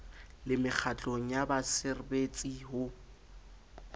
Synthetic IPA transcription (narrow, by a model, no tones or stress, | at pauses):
lɪmɪk͡xʰat͡ɬʼoŋ̩jabasɪrbet͡sʼiɦʊ